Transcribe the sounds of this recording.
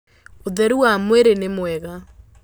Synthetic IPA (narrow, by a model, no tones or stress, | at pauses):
oðɛɾuwamweɾenemwɛɣa